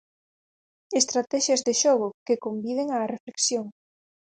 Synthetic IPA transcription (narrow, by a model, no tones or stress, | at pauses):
est̪ɾat̪ɛʃjɐzðeʃɔɣ̞ʊkekombið̞eŋaːrefleksjoŋ